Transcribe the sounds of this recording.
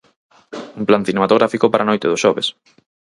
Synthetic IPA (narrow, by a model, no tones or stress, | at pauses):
umplan̟θinemat̪oɣɾafikʊpaɾanojt̪ɪðʊʃɔβḛs